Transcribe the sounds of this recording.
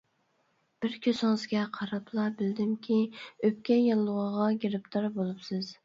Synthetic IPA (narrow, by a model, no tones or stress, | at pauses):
b̥ɪɾkʲʰøsɪŋɨzɡʲɛqʰɑɾɑpʰlˠɑbɪld̪ɪmkʲʰiøp̚kʲɛjɑlːˠəʁəʁɑɡʲeɾɪpt̪ʰɑɾbolˠupsɨz̥